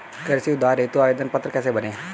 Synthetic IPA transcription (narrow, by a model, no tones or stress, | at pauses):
kəɾsiːʊd̪aːɾeːt̪oaːeːd̪ənpət̪ːɾəkɛːseːbənẽː